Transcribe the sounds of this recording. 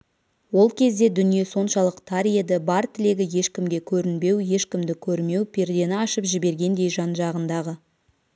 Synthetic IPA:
wo̞lˠkʲʰe̞z̪d̪e̞d̪ʏnije̞so̞nʃɑlˠəqt̪ʰaɾje̞d̪ɪbɑɾt̪ʰɪle̞ɡʲɪje̞ʃkʲɪmɡʲe̞kʲʰɵɾɪnbe̞wje̞ʃkʲɪmd̪ɪkʲʰɵɾme̞wpʲʰe̞ɾd̪e̞nɪɑʃəpʒɪbe̞ɾɡʲe̞nd̪e̞jʒɑnʒɑʁənd̪ɑʁə

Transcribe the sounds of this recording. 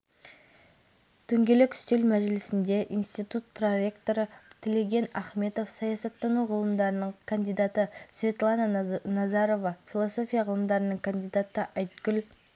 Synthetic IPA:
t̪ʰɵŋɡʲe̞lekʲʰʏ̥st̪elmæʒɪlɪsɪnd̪e̞ʔijnst̪ijt̪ut̪̚pʰroe̞kt̪o̞ɾət̪ʲʰeleɡʲe̞næχme̞t̪o̞fsɑjɑsɑt̪ːɑnuʁəlˠəmd̪ɑɾənəɴkʰand̪ijd̪ɑt̪əsvʲe̞t̪lˠɑnɑnɑzɑɾo̞vɑfʲilˠo̞so̞fʲijɑʁəlˠəmd̪ɑɾənəɴkʰand̪ijd̪ɑt̪əʔɑjt̪kʲʏl

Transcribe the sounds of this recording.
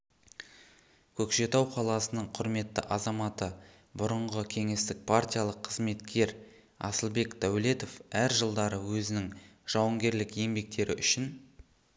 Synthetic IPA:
kʲʰɵkʃe̞t̪ɑwqʰɑlˠɑsənəɴqʰʊɾme̞t̪ːə̰ʔɑzɑmɑt̪ə | bʊɾəɴʁəkʲʰe̞ŋe̞st̪ɪk̚pʰart̪ʲijalˠəqʰːəzme̞t̪kʲʰe̞ɾ | ɑ̰səlˠbe̞kd̪̥æwle̞t̪o̞fæɾʒəlˠd̪ɑɾəwɵzɪnɪŋʒ̥ɑwəŋɡʲe̞ɾlɪkje̞mbe̞k̚t̪e̞ɾɪʔʏʃɪn

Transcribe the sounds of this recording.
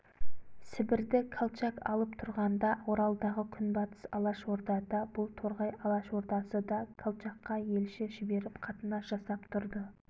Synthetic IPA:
sɪbɪɾd̪ɪkʰalˠt͡ʃɑkɑ̰lˠəpt̪ʰʊɾʁɑnd̪ɑwo̞ɾɑlˠd̪ɑʁəkʲʰʏnbɑt̪ʰə̥sɑ̰lˠɑʃwo̞ɾd̪ɑd̪ɑbʊlˠt̪ʰo̞ɾʁɑjɑlˠɑʃwo̞ɾt̪ɑsəd̪ɑkʰalˠt͡ʃɑqːɑje̞lʃɪʒɪbe̞ɾɪpqʰɑt̪ənɑʒ̥ɑsɑpt̪ʰʊɾd̪ə

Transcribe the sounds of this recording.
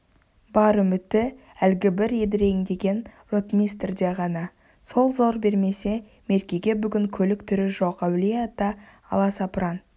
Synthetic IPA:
bɑɾəmʏt̪ːɪ | ælɡʲɪbɪɾe̞d̪ɪɾe̞ŋd̪e̞ɡʲe̞n | rot̪mʲijst̪rd̪e̞ʁɑnɑ | so̞lˠzo̞ɾbe̞ɾme̞se̞ | me̞ɾkʲeɡʲe̞bʏɡʲɪŋkʲʰɵlɪkt̪ʰʏɾɪʒo̞qæwlijad̪ɑ̰ːlˠɑsɑpɾɑn

